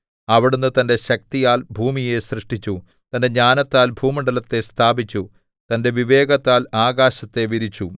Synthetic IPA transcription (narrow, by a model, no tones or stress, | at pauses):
ɐʋiɽunːɨt̪ɐnde̞ɕɐk̚t̪ijaːlbʱuːmije̞srɨʂʈit͡ɕːu | t̪ɐnde̞ɲaːnɐt̪ːaːlbʱuːmiɳɖɐlɐt̪ːe̞st̪ʰaːbit͡ɕːu | t̪ɐnde̞ʋiʋe̞ːɡɐt̪ːaːlaːɡaːɕɐt̪ːe̞ʋiɾit͡ɕːu